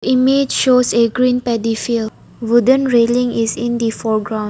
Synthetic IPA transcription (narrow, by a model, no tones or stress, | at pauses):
imed͡ʒʃoseɡɹĩːnpɛdifil | wudə̃nɹelĩŋisĩndifɔɡɹãʊ̃n